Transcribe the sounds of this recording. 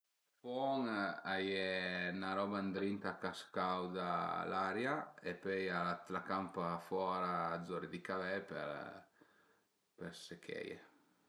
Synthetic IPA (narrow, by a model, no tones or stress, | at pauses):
fɔŋajɛnaɾɔband̪ɾint̪akaskawd̪alaɾjaepøjaat̪lakampafwɔɾaːd̪zɔɾid̪ikavɛpɛ̰ɾ | pɛɾsekʰɛ̰jḛ